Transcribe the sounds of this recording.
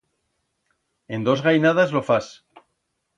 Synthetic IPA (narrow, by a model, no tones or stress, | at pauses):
e̞nd̪o̞zɣajnað̞azlo̞fas